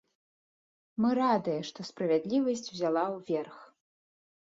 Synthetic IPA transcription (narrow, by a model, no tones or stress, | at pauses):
mɨɾad̪ɨjɛʂt̪ɔspɾɐvʲad̪lʲivɐsʲt͡sʲwzʲalˠawvʲɛrx